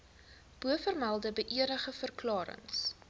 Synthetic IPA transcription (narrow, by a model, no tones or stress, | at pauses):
b̥uəfərmælˠdəbəʔiəɾəχəfərklɑːɾə̰ŋs